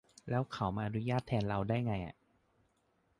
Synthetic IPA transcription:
lɛː˦˥wkʰa˨˩˦wmaː˧ʔaː˧nu˦˥jaː˥˩t̪ʰːɛː˧nɾa˧wdaː˥˩jŋa˧jʔa̰˨˩ʔ

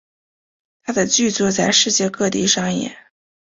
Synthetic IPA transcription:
t̪ʰa˥d̪ə˨t͡ɕy˥˧t͡swɔ˥˩t͡sa˥˧ɪʂɻ̩˥˧t͡ɕjɛ˥˧kɤ˥˧t̪i˥˩ʂɑ˥ŋjɛ̰˥˩

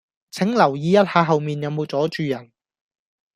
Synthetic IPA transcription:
t͡sʰɪ˨˥ŋlɐ˨˩wjiː˨˧jɐ˥t̚haː˧ɦɐ˨wmiː˨njɐ˨˧wmo˨˧wt͡sɔː˨˥t͡ʃyː˨˧jɐ˨˩n

